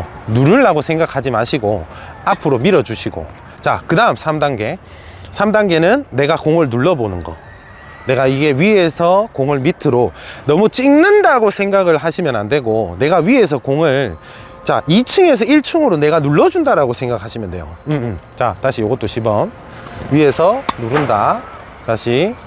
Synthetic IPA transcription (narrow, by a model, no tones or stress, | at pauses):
nuɾɯɭːaɡosʰe̞ŋɡakʰad͡ʑimaɕʰiɡo | apʰɯɾomiɾʌd͡ʑuɕʰiɡo̰ | t͡ɕa̰kɯdaɯmsʰamdaŋɡe̞ | sʰamdaŋɡe̞nɯnːe̞ɡakoŋɯɭnuɭːʌbonɯnɡʌ̰ | ne̞ɡaiɡe̞ɥie̞sʰʌkoŋɯɭmitʰɯɾonʌmut͡ɕ͈iŋnɯndaɡosʰe̞ŋɡaɡɯɭhaɕʰimjʌna̰nde̞ɡone̞ɡaɥie̞s̬ʰʌkoŋɯɭ | t͡ɕa̰it͡ɕʰɯŋe̞s̬ʰʌiɭt͡ɕʰuŋɯɾone̞ɡanuɭːʌd͡ʑundaɾaɡosʰe̞ŋɡak̚haɕʰimjʌnde̞̰jo̰ɯt͡ɕa̰taɕʰijoɡʌt͈oɕʰibʌm | ɥie̞sʰʌnuɾɯnda̰ | taɕʰi